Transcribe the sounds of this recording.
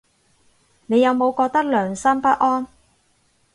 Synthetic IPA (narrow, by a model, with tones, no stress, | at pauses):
ne˨˧jːɐ˨˧wmo˨˧wkɔː˧k̚t̪ɐ˥k̚lœː˨˩ŋsɐ˥mpɐ˥t̚ʔɔː˥n